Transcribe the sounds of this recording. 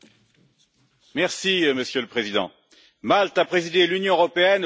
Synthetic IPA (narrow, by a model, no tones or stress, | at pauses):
mɛʁsiməsjøləpχezid̪ɑ̰̃ | malt̪apχezid̪elynjɔ̃øʁɔpeɛn